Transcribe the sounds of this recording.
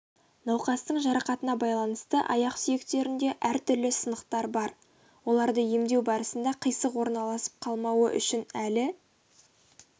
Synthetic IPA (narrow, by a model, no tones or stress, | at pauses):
nɑwqɑst̪əɴʒɑɾɑqɑt̪ənɑbɑjlˠɑnəst̪əʔɑ̰jɑqsʏje̞kt̪e̞ɾɪnd̪e̞ʔæɾt̪ʰʏɾlɪsənəqt̪ɑɾbɑɾ | wo̞lˠɑɾd̪əje̞md̪e̞wbɑɾəsənd̪ɑqʰəjsəqwo̞ɾnɑlˠɑsə̥p̚qʰɑlˠmɑwə̰ʔʏ̰ʃɪnælɪ